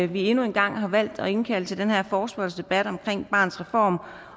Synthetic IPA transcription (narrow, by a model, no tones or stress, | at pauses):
ʋie̝nue̝nɡ̥ɑ̈ŋ̰ɦɑ̈ʋæl̰d̥ɒ̽e̝nkʰæl̰d̥t͡sʰe̝ld̥enheɐ̰fɒːsb̥ɒlsd̥e̝b̥æd̥ɒ̽mkʰʁeŋ̰b̥ɑ̰̈ːn̩sʁɛfɒ̰ːm